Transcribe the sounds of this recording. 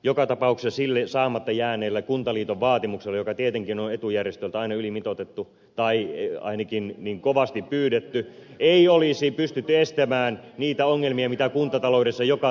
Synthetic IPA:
jokɑt̪ɑpɑuksesilːesɑːmɑt̪ːɑjæːneːlːækunt̪ɑliːt̪oʋʋɑːt̪imukselːejokɑt̪iet̪eŋkinonet̪ujærjest̪ølt̪æɑinɑylimit̪ot̪et̪ːu | t̪ɑiɑ̰inɑkinniːŋkoʋɑst̪ippyːdet̪ːy | eiolisipyst̪yt̪ːyest̪æmæːnniːt̪æoŋːelmiɑmit̪ækunt̪ɑt̪ɑlouɾesːɑjokɑ

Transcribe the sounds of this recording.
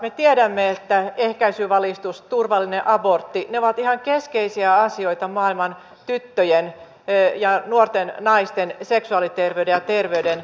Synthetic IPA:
met̪iedæmːeet̪ːæehkæisyːʋɑlist̪ust̪urʋɑlːineʔɑbort̪ːineoʋɑt̪ihɑŋkeskeisiæɑsioit̪ɑmɑːilmɑn | t̪yt̪ːøjen | jɑnuort̪ennɑist̪enseksuɑlit̪erʋeydejɑt̪erʋeyden

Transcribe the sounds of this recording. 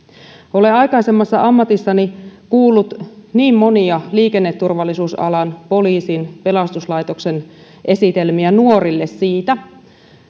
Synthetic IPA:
o̞leɑjkɑise̞mːɑsːɑʔɑmːɑt̪isːɑnikuːlːut̪niːmmo̞niɑliːke̞nːet̪ːurʋɑlːˑisuːsɑ̰lɑnpo̞liːsinpe̞lɑst̪uslɑjt̪o̞kse̞n | ʔe̞sit̪e̞lmiænuo̞ɾilːe̞ssiːt̪æ

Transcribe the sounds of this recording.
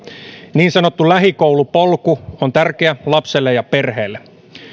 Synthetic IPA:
niːnsɑnot̪ːulæɦikoulupolkuont̪ærkeælɑpselːejɑperheːlːe

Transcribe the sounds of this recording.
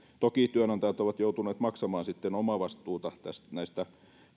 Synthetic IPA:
t̪okit̪yønɑnt̪ɑjɑt̪oʋɑt̪joˑut̪uneːt̪mɑksɑmɑːnsit̪ːenomɑʋɑst̪uːt̪ɑt̪æstnæˑist̪æ

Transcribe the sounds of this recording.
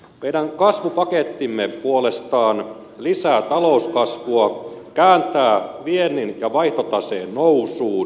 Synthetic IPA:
mejɾæŋkɑsʋupɑket̪ːimːepuolest̪ɑːn | lisæːt̪ɑlouskɑsʋuɑkæːnt̪æːʋienːinjɑʋɑiht̪ot̪ɑseːnnousuːn

